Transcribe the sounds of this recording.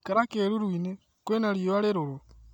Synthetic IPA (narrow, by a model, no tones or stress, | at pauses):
kaɾakeːluɾwiːne | kwenaliβaleɾulu